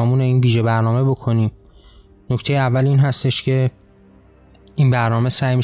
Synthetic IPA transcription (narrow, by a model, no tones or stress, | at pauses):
ɒmuːneiːnviːʒe̞bæɾnɒːme̞bo̞kʰo̞niːm | no̞ct̪ʰe̞jeævːæliːnɦæst̪e̞ʃcʰe̞ | iːnbæɾnɒːme̞sæjmi